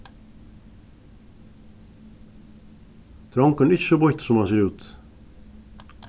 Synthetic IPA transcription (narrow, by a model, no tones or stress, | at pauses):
t̪ʰɾɑŋkənʏçəbɔçt̪sɔmhɑnseːɾʉːt̪